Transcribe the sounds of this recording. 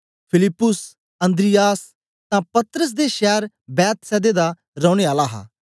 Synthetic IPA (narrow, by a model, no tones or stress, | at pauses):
pʰɪlɪpːʊs | ɐ̃nd̪ɾɪjaːs | t̪ãpɐt̪ɾəs̬d̪eʃɛːɾ | bɛːt̪sɛːd̪ed̪a | ɾɔːɽ̃eaːlaɦa̰ː